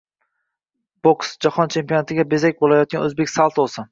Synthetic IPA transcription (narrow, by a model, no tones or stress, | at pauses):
b̥oksd͡ʒahɒnt͡ʃʰe̞mpʲijonat̪ɪɡʲabe̞zak̚ʲbolajɒt̪̚ɡʲanɵzbekʲsalˠt̪ʰosɪ